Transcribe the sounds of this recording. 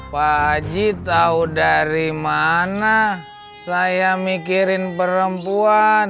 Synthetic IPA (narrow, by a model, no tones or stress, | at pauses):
pad͡ʒit̪audaɾimana | sajamikiɾɪnpəɾəmpuan